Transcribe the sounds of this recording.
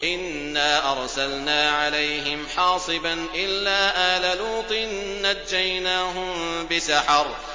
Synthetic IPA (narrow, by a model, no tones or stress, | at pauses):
ʔɪnːaːʔɑɾˤsalnaːʕalajɦɪmħɑːsˤɨbanʔɪlːaːʔaːlaluːt̪ˤɨnːad͡ʒːajnaːɦʊmbɪsaħɑɾˤ